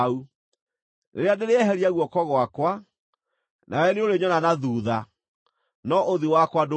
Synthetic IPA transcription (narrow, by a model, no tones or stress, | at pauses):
u | neɾeadeɾeɛɦɛɾiaɣwɔkɔɣwakwa | nʔawɛneoɾeɲɔnanaðuːða | nɔʔoðiwakwado